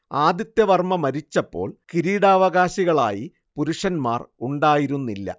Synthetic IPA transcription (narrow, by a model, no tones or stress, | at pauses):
aːd̪jɐt̪ːjɐʋɐrmɐmɐɾit͡ɕːɐpːo̞̰ːɭkiɾiːɽaːʋɐɣaːɕiɣɐɭa̰ːji | puɾuʂɐnma̰ːruɳɖaːjiɾunːilːɐ̰